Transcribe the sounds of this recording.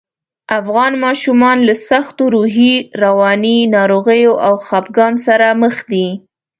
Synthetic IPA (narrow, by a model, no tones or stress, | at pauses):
afɣɑnmɑʃumɑnlasaxt̪oɾuɦiɾawɑninɑɾoɣəjoʔawxɑpɡɑnsaɾaməxd̪i